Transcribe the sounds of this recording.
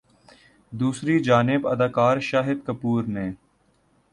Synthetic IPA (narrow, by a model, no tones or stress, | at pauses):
d̪uːsɾid͡ʒaːnɪbɐd̪aːkaːɾʃaːɦɪd̪kəpuːɾneː